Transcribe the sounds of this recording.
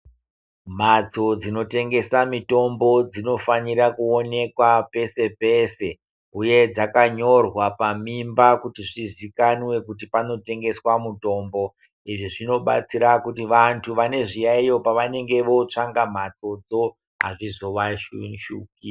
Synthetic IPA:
m̤at͡so̞d͡zino̞te̞ŋɡe̞samito̞mbo̞d͡zino̞faɲiɾakuo̞ne̞kwape̞se̞pe̞ːse̞ | uje̞d͡zakaɲo̞rwapamimbakutiʐizikanwe̞kutipano̞te̞ŋɡe̞swamuto̞ːmbo̞ | iʐiʐino̞ɓa̰t͡siɾakutiʋantʰuʋane̞ʐijaijo̞paʋane̞ŋɡe̞ʋo̞t͡ʂaŋɡam̤at͡so̞d͡zo̞ | ɦa̰ʐizoʋaʃuʃuki

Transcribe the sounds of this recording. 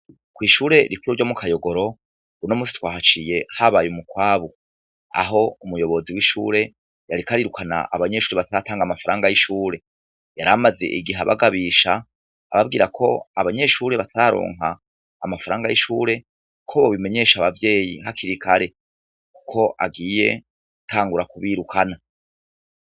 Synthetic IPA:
kwiːʃuːɾe̞ɾikuɾuɾɟomukʰajo̞ɡoɾo̞ | unomuːsi̥twaːhat͡ʃije̞haβajumukwaːβu | a̰ɦo̞umujo̞βo̞ziwiʃṵːɾe̞ | jaɾikaɾiɾukʰana̰ʔaβaɲe̞ʃuːɾeβataɾataːŋɡamafaɾaːŋɡajiʃuːɾe̞ | jaɾamaze̞̰ʔiɡiɦaβa̰ɡaβiʃaː | βab̚ɡiːɾakʰo̞̰aβaɲe̞ʃuːɾeβatʰaɾaɾo̞̰ːŋɦaː | mafaɾaːŋɡajiʃuːɾe̞ | kʰoβoβime̞ɲe̞ːʃaβavje̞ːjḭɦakʰiɾikʰaɾe̞ | ku̥kʰo̞ʔa̰ɡiːje̞ | ɡutʰaːŋɡuɾakuβiɾukʰana

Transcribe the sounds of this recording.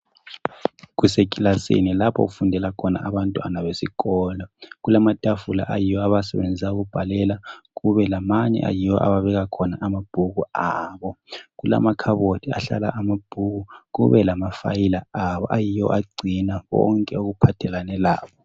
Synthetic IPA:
ɣusekʼilasḛnilapʰɔ̰ɣufundʱɛlakʰɔna̰ʔaβantʼua̰naβesiɣɔːlɔɣulamatʼafula̰ʔajijɔaβasɛβend͡zʱisauɣub̥ʱalɛlaɣuβɛlamaɲɛ̰ʔa̰jiwɔʔa̰βaβɛɣakʰɔnaʔamab̥ʱuɣuaːβɔɣula̰makʰaβotʰia̰ɬa̰la̰ʔamab̥ʱuɣuɣṵβɛlamafa̰jilaaβɔʔajijɔ̰ʔaɡ͡ǀʱinaβɔ̰ŋkʼɛoɣupʰatʰɛlanɛlaːβɔ

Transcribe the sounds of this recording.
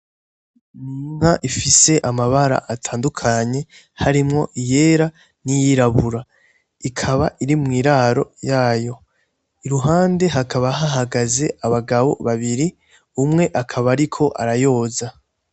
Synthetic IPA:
miŋaʔifise̞ʔamaβaɾa̰ʔatʰaːndukʰaɲe | haɾimŋo̞̰ʔije̞ːɾa | nijiɾaβuɾa | ikʰaβaʔiɾimŋiːɾaɾo̞̰jaːjo̞ | iɾuɦaːnde̞ɦakʰaβaɦaɦaɡaze̞ʔaβaɡaβo̞̰βaβiɾi | umŋe̞ʔakʰaβaɾikʰo̞ʔa̰ɾajo̞ːza

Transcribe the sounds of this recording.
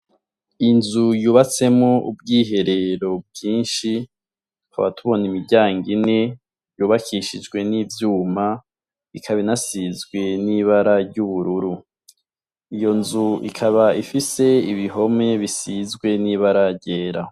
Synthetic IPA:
inzujuːβat͡se̞moub̚ɡiːɦe̞ɾe̞ɾo̞b̚ɡiːnʃi | haβatuβo̞nimiɟaːŋɡine | juːβakʰiʃid͡ʒɡwe̞nivjuːma | ikʰaβinasizɡwe̞niβaɾaɾɟuβuɾuɾu | ijo̞nzuḭkʰaβaifise̞iβiɦo̞me̞βisizɡwe̞niːβaɾaɾɟe̞ːɾa

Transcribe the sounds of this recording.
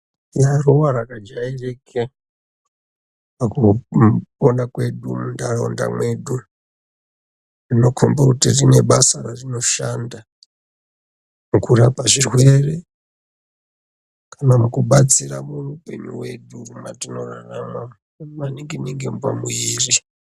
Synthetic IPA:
jarowaɾakad͡ʒaerekʰe | paku | onakwe̞ɗumundaro̰nda̰mwe̞ɗu | rino̞kʰombakutirine̞ɓasararino̞ʃanda | mukurapaʐirwe̞re | kanamukuɓat͡siramurupe̞ɲṵwe̞ɗurumatino̞rarama | ʋaniŋɡineŋɡempamuiːri

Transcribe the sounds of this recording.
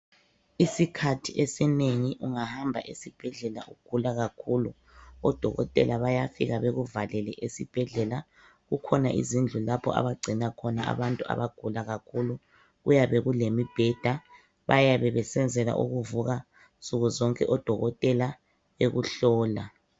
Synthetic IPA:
isikʰatʰiʔesɛneŋiʔuŋahambʱa̰ʔesib̥ʱɛɮɛla̰ʔuɡ̥ʱulaɣakʰulu | ɔd̥ʱɔɣɔ̰tʼɛ̰laβajafiɣaβeɣuvalɛlɛʔesib̥ʱɛɮɛla | ɣukʰɔnaʔḭzind͡ɮʱulapʰɔ̰a̰βaɡ͡ǀʱinakʰɔnaa̰βantʼua̰βaɡ̥ʱulaɣakʰulu | ɣujaβeɣulemib̥ʱɛd̥ʱa | βajaβɛβɛsɛnd͡zʱɛla̰ʔṵɣuvuɣa | sʼuɣuzɔŋkʼɛʔɔd̥ʱɔɣɔtʼɛla | βeɣuɬɔːla̰

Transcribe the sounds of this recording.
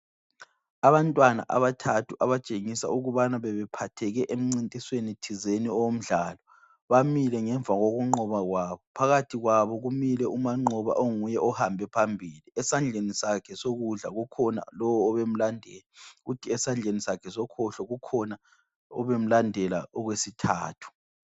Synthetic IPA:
aβantʼwana̰ʔa̰βatʰatʰuʔaβat͡ʃʼeŋisa̰uɣuβanaβɛβɛpʰatʰɛɣɛʔem̩ŋ͡ǀintʼiswenitʰizeniɔwom̩ɮaːlɔ | βamilɛŋɛɱvʱaɣoɣuŋ͡ǃɔβaɣwaːβɔpʰaɣatʰiɣwaβɔɣumilɛumaŋ͡ǃɔβa̰ʔoŋujɛʔɔhambʱɛpʰambʱiliɛsand͡ɮʱenisakʰɛsoɣuɮa̰ɣukʰɔna̰lɔwɔːβem̩landʱɛːlaɣutʰiɛsand͡ɮʱenisakʰɛsɔkʰɔɬɔɣukʰɔna | ɔβem̩landʱɛla̰ɔɣwesitʰa̰ːtʰu̥

